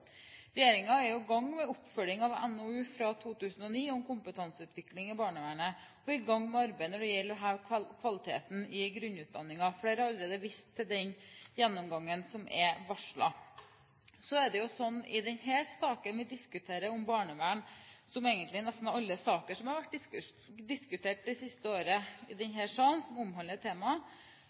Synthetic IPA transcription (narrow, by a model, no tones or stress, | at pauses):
ɾɛjeːɾɪŋɑɛɾjʊɡɑŋːmɛʊpfœlɪŋɑʋɛ̰nːɔʉːfɾɑt̪ʰuːt̪ʰʉːsn̩ɔniːɔmkʰʊmpət̪ʰɑnsəʉːt̪ʰʋɪklɪŋɪbɑːɳəʋæːɳə | ɔɪɡɑŋːmɛɑɾbæɪənɔɖɛjɛlːɾɔɦɑːʋʰkʰʋɑlɪt̪ʰḛːt̪n̩ɪɡɾʉnːʉːt̪̚d̪ɑnːɪŋɑfɽeːɾɔɑlːɾeːd̪əʋɪst̪ʰːɪld̪ɛnjɛnːɔmɡɑŋːənsɔmʔɛ̰ʋɑʂɭɑ̰ | sɔɛɖɛjʊsɔnːɪ̰d̪ɛnheːsɑːkənʋɪd̪ɪskʉt̪ʰeːɾəɔmbɑːɳəʋæːɳsɔmeɪɡənt̪lɪnɛst̪nɑɑlːəsɑːkəʂɔmhɑɾʋæʈ̚ːd̪ɪsk | d̪ɪskʉt̪ʰeːʈ̚d̪ɛsɪst̪əoːɾəɪd̪ɛnɦɛːʂɑːnsɔmʊmɦɑnət̪ʰːeːmɑ